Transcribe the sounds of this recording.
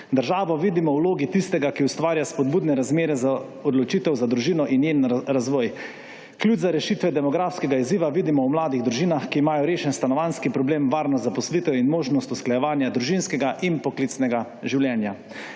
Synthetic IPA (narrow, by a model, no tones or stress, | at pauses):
d̪əɾʒaːʋɔʋiːd̪imɔwloːɡit̪ist̪ɛɡakiust̪ʋaːɾjaspɔd̪̚buːd̪nɛɾazmeːɾɛza | ɔd̪lɔt͡ʃiːt̪ɛwzad̪ɾuʒiːnɔʔinjenɾazʋɔːj | klʲjud͡ʒzaɾɛʃit̪ʋɛd̪ɛmɔɡɾaːfskɛɡaiziːʋaʋiːd̪imɔwmlaːd̪iɣd̪ɾuʒiːnaxkiːmaːjɔɾeːʃɛnst̪anɔʋanskipɾɔbleːmʋaːɾnɔzapɔslit̪ɛinmoːʒnɔst̪usklajɛʋaːnjad̪ɾuʒinskɛɡaʔinpɔkliːt̪snɛɡa | ʒiwljɛːnja